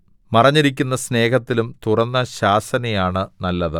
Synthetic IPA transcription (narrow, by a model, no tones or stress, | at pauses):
mɐrɐɲːiɾik̬ʲːunːɐsne̞ːɦɐt̪ːilumt̪urɐnːɐɕaːsɐnɐjaːɳɨnɐlːɐðɨ